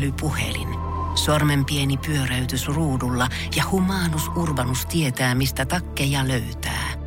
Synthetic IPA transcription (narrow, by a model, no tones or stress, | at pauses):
lypuhḛlḭn | sormempienipyøɾæyt̪ysruːdulːɑ | jɑhumɑːnusʔurʋɑnust̪iet̪æːmist̪æt̪ɑkːejɑløyt̪æ̰ː